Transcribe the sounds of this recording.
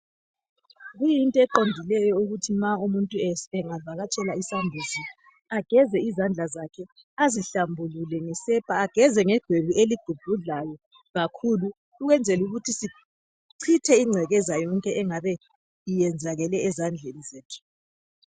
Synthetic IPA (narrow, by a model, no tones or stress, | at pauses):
ɣujintʼɔɛǃondʱilɛjɔuɣutʰimaumuntʼuɛɛŋavaɣat͡ʃʼɛlaisambʱuzi | aɡ̥ʱɛzɛizand͡ɮʱazakʰɛ | aziɬambʱululɛŋɛsɛpʰʼaaɡ̥ʱɛzɛŋɛɡ̥ʱweβuʔeliɡ̥ʱub̥ʱuɮajɔ | ɣakʰulu | uɣwɛnd͡zʱɛluɣutʰisi | ǀʰitʰɛiŋ͡ǀʱɛɣɛzajɔŋkʼɛʔɛŋaβɛ | ijɛnd͡zʱaɣɛlɛːzand͡ɮʱenizeːtʰu̥